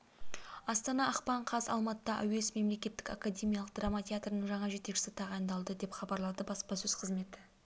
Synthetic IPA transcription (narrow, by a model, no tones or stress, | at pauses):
ɑst̪ɑnɑɑqpɑɴqʰɑzɑ̰lˠmɑt̪əd̪ɑʔæ̰wesme̞mle̞kʲe̞t̪ːɪkakadʲe̞mʲijɑlˠəqd̪ramatʲʰeat̪rənəɴʒɑɴɑʒe̞t̪ekʃɪsɪt̪ʰɑʁɑjənd̪ɑlˠd̪əd̪e̞pχɑbɑɾlˠɑd̪əbɑspɑsɵz̥qʰəzme̞t̪